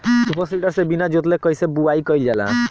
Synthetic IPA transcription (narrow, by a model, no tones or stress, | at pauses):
supəsliʈəɾsebinad͡ʒot̪lekʌjsebuaikɔjld͡ʒala̰